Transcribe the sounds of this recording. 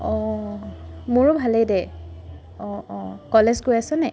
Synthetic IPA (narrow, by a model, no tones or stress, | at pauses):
ɔ | mʊɹʊbʱalejdɛ | ɔkɔlezɡojasɛnɛ